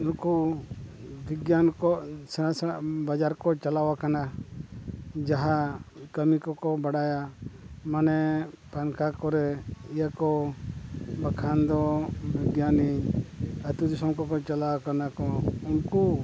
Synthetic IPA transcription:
unku | bʱiɡjankɔsanasbad͡ʒaɾkɔt͡ʃalawakana | d͡ʒaɦakəmikɔkɔbaɽajamanɛpankʰakɔɾɛijakɔ | bakʰand̪ɔbʱiɡjani | ət̪ud̪isɔmkɔkɔt͡ʃalawakanakɔunku

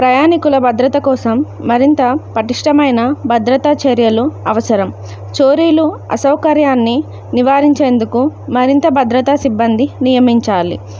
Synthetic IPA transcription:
pɾɐjaːnikulɐbʱɐd̪ɾɐt̪ɐkɔːsɐmːɐɾint̪ɐpɐʈiʂʈɐmɐjnɐbʱɐd̪ɾɐt̪at͡ʃɐɾjɐluɐʋɐsɐɾɐm | t͡ʃoːɾiːluɐ̰sɐwkɐɾjaːnːi | niʋaːɾiɲt͡ʃe̞ːnd̪ukumɐɾint̪ɐbʱɐd̪ɾɐt̪asibːɐnd̪inijɐmiɲt͡ʃaːlḭ

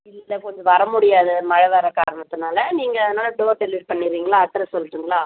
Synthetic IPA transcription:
ɪlːlːɛkɔɲd͡ʒɯʋɐɾɐmʊɽɪjaːðɯmɐɻɐʋɐːɾɐkaːɾɐɳɐt̪ːɯnaːlɐniːŋɡɐːðɯnaːlɐɖoːʈɛlɪʋʈ̚pɐɳːɪɾiːŋɡɐlaːɐt̪ːɐɾɐsɔlːɪʈːiːŋɡɐlaː

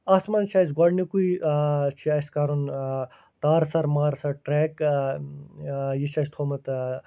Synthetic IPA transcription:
ɐsmɐnt͡ʃʰajsɡɔɽnikuit͡ʃʰiɐskaɾun | t̪aːɾsɐɾmaːɾsɐɾʈɾeːk | jiʃʰɐːst̪ʰoːmɐt̪

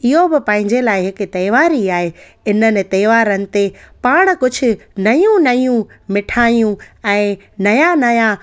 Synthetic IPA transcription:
ɪɦobɪpɐ̃ɦɪ̃ɲd͡ʑelaːɪɦɪkt̪ɐjʋaːɾiaːɦe | ɪnənɪ̆t̪ɐjʋaːɾənɪ̆t̪epaːɽ̃kʊd͡ʑʱʊ̆nɐjũnɐijũmɪʈʰaːjũɛ̃ː | nɐjanɐja

